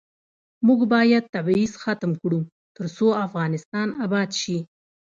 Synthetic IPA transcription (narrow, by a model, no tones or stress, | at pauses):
muɡbɑjad̪̚t̪abizxat̪mkɽu | t̪əɾsoafɣɑnɪst̪ɑnabɑd̪ʃi